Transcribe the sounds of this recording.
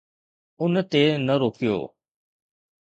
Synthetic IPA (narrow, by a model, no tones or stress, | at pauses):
ʊnt̪enəɾoːkijo̰ː